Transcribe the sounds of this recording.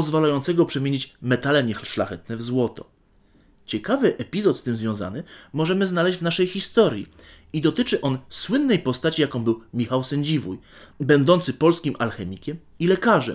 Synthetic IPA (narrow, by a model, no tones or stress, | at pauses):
pɔzvalajɔnt̪sɛɡɔpʂɛmʲjeɲit͡ɕmɛt̪alɛɲɛxʂla̰xɛt̪nɛvzwɔt̪ɔ̰ | t͡ɕɛkavɘʔɛpʲizɔt̪st̪ɘmzvʲjɔ̃w̃za̰nɘmɔʐɛmɘznalɛʑd͡ʑvnaʂɛjxist̪ɔɾʲjḭ | id̪ɔt̪ɘt͡ʂɘʔɔnswɘnːɛjpɔst̪at͡ɕijakɔ̃w̃bɘwmʲixawsɛɲd͡ʑivujbɛnd̪ɔnt̪sɘpɔlskʲimʔalxɛmʲikʲɛm | ilɛkaʐɛ̰m